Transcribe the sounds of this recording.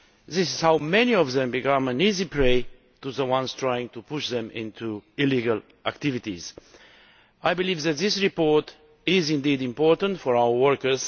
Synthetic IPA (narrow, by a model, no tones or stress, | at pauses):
ðɪsɪz̥haʊmɛniɔvðɛ̃mbikʌ̃mə̃nizipʰɹeɪ | tuðəwãnstʰɹajɪ̃ŋt̪upʰʊʃðɛ̃mɪ̰̃ntʰuɪliɡəl | ʔæk̚t̪ɪvɪtḭz̥ | ajbɨliːvðæt̪̚ðɪsɹipɔɹt | ɪzɪ̃nd̪idɪ̃mpɔɹtə̃ntfɔɹawə˞wɜɹkə˞z̥